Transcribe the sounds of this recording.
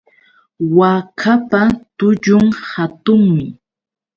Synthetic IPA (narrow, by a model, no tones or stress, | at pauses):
wakʰapat̪ʊʎʊŋhat̪ʊŋmɪ